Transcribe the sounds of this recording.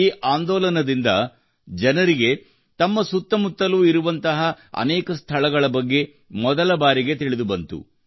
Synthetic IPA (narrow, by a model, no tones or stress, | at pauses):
iːʔaːnd̪ɔːlɐnɐd̪ind̪ɐ | d͡ʒɐnɐɾiɡe̞ | t̪ɐmːɐsut̪ːɐmut̪ːɐluiɾuʋɐnt̪ɐɦɐ | ɐ̰nɛːkɐst̪ʰɐɭɐɡɐɭɐbɐɡːe̞ | mɔd̪ɐlɐbaːɾiɡe̞t̪iɭid̪ubɐnt̪ṵ